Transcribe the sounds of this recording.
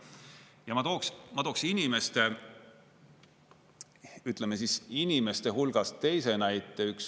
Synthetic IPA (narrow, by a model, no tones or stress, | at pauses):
jɑmɑt̪o̞ːksmɑt̪o̞ːksinime̞st̪e | yt̪ˑle̞mesisinime̞st̪e̞ɦulɡ̥ɑst̪e̞jse̞næjt̪ˑːe̞yks